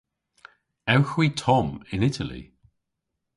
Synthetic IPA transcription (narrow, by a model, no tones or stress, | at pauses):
ɛwxwitʰɔmɪ̃nɪtʰəlḭ